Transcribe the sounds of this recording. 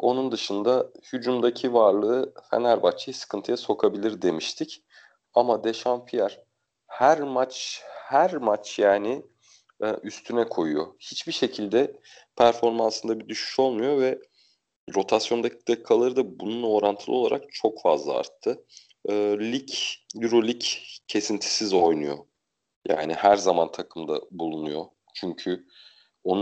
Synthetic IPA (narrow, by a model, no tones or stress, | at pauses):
o̞nund̪ɯʃɯnd̪ahyd͡ʒumd̪acʰivaɾlˠɯːfḛnæɾbat͡ʃʰjasɯ̥kʰɯnt̪ʰɯjaso̞kʰabilʲiɾd̪e̞miʃt̪ʰic | amad̪e̞ʃanfijaɾ̥ | hæɾmat͡ʃhæɾmat͡ʃjaːnɪ | ʔyst̪ʰynɛkʰo̞jṵjo̰hit͡ʃbiʃe̞cʰilʲd̪ɛ | pʰæɾfo̞ɾmansɯnd̪abid̪yʃy̥ʃo̞lˠmujo̞vɛ | ɾo̞t̪ʰasjo̞nd̪acʰid̪akʰːalˠaɾɯd̪abununlˠo̞ːɾant̪ʰɯlˠɯo̞lˠa̰ɾak̚t͡ʃʰo̞kfazlˠa̰a̰ɾt̪ʰːɯː | lʲicjyɾolʲiccʰe̞sint̪ʰi̥sizo̞jnujo̞̰ | ja̰ːnɪhæɾzamant̪ʰakʰɯmd̪a̰bulˠunujo̞ | t͡ʃʰyɲcʰy | o̞n